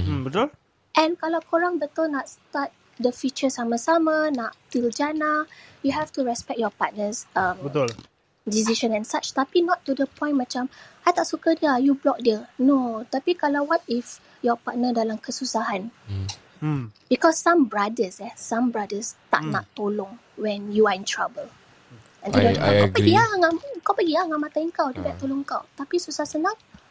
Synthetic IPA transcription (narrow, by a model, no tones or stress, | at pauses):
bət̪ul | ʔɛ̃nkalawkʰoɹãŋbət̪ɔlnatst̪at̪̚ | dəfit͡ʃəsamasamanaʔtild͡ʒanajuɦɛftuɹɛspɛk̚t̚jɔpat̪̚nəsambət̪ul | disiʃə̃nɛ̃nsat͡ʃt̪apinɔtːudəpʰɔ̃j̃nmat͡ʃamajt̪aʔsukədiəajublɔk̚diənot̪apikalawwɔt̪̚if | jɔpanədalamkəsusaɦãn | b̥ikɔsːãmbɹadəsɛsãmbɹadəst̪a̰ʔ̚na̰t̪ːolɔ̃ŋ | wɛ̃njuaĩntʰɹabəl | ɛ̃ndidõntkapəɡiaŋakawpəɡiaŋaʔmat̪aiŋkawdubaʔt̪olʊ̃ŋkawt̪apisusahsənãŋ